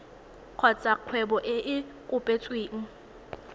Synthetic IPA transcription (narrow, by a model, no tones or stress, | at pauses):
q͡χʰɔt͡sʼaq͡χʰwɛbɔʔɪʔɪkʼʊpʼet͡sʼweːŋ̩